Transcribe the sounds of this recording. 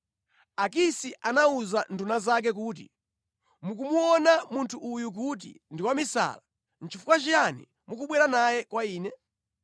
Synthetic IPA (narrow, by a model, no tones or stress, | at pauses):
akisiʔanauzandunazak̬ɛk̬uːt̬ḭ | muk̬umuɔnamuntʰuʔːjuk̬ut̬ḭndiwamisa̰la | n̩t͡ʃifu̥kwat͡ʃijanḭ | mukuɓwɛɾanajɛkwaiːnɛ